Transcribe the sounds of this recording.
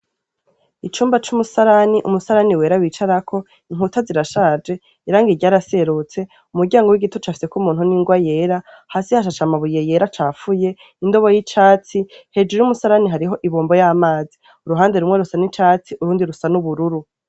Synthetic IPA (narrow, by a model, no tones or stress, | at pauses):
it͡ʃuːmbat͡ʃumusaɾaniʔumusaɾaniwe̞ːɾawiːt͡ʃaɾakʰo̞ | iŋ̥ɦutaziɾaʃaːd͡ʒe̞ | iɾaːŋɡiɾɟaːɾase̞ɾut͡se̞ | umuɾɟaːŋɡo̞wiɡitot͡ʃaːfi̥se̞kumuːn̥huniːŋɡwaje̞ɾa | haːsihaʃ̬at͡ʃamaβujeje̞ːɾat͡ʃaːfuje̞ | indo̞βojit͡ʃaːt͡sihe̞d͡ʒujumusaɾaniɦaɾiɦo̞ʔiβoːmbo̞jaːmaːzi | uɾuɦaːnde̞ɾumŋe̞ɾusanit͡ʃaːt͡siʔuɾuːndiɾusanuβuɾuɾu